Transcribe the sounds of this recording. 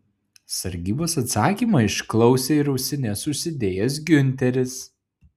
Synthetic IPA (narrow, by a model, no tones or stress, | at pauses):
sɐɾʲɡʲiːboːsɐt̪sɑːkʲiːmɐɪʃklˠɒʊsʲeɪɾɐʊsʲɪnʲɛsʊʃsʲɪd̪ʲeːjɛs̬ɡʲʊnʲt̪ʲɛɾʲɪs